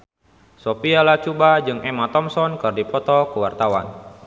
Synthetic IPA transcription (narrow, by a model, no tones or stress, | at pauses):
sopialaht͡ʃubad͡ʒɨŋʔɛmat̪ɔmsɔnkɨrdipɔt̪ɔkəwart̪awa̰n